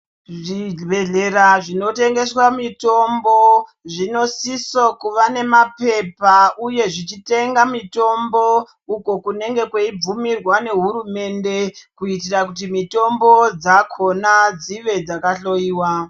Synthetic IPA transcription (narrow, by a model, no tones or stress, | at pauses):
ʐibe̞ɮe̞ɾaʐino̞te̞ŋɡe̞swamito̞mbo̞ | ʐino̞sisokuʋane̞mape̞pauje̞ʐit͡ʃite̞ŋɡamito̞mbo̞ | uko̞kune̞ŋɡe̞kweib͡vumirwane̞ɦuɾume̞nde̞kuitirakut̬imito̞mbo̞d͡zakʰo̞nad͡ziʋe̞d͡zakaɬo̞jiːwa